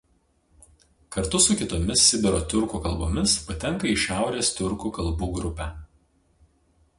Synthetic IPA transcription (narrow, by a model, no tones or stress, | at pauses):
kɐɾt̪ʊsʊkʲɪt̪oːmʲɪsːʲɪd̪ʲɛɾoːt̪ʲʊɾkuːkɐlˠboːmʲɪspɐt̪ʲɛŋˑkɐiʃʲæˑʊɾʲeːst̪ʲʊɾkuːkɐlˠbuːɡɾʊpʲæ